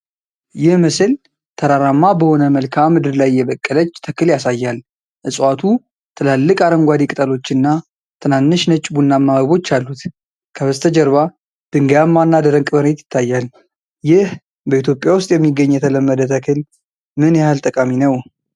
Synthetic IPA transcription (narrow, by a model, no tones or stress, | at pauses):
jɪhmɨsɨl | t̪ʰəɾaɾamːabəho̞nəməlkʰamɨd̪ɨɾlajːɛβəkʼːələt͡ʃːt̪ʰəkɨljasajːal | ʔɨsʼwat̪ʰu | t̪ʰɨlalːɨkʼaɾəmɡʷad̪ikʼɨt̪ʼəlo̞t͡ʃːɨnːa | t̪ʰɨnanːɨʃnət͡ʃʼːbunːamːaβəβo̞t͡ʃːalːut̪ | kʰəβəst̪ʰəd͡ʒəɾβa | d̪̥ɨŋɡəjamːanːad̪əɾəŋkʼbəɾhet̪jɪ̥t̪ʰːajːal | jɪh | bəit̪ʰjo̞pʼjawʊst̪ʼjɛmːiɡːəɲːjɛt̪ʰələmːəd̪ət̪ʰəkʰɨl | mɨnjɛhalt̪ʼəkʼaminəw